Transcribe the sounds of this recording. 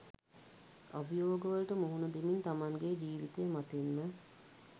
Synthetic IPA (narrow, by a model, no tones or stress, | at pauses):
abijoːɡəʋəlʈəmuɦunəd̪imiɲt̪amaŋɡed͡ʒiːʋit̪ejːmat̪inːə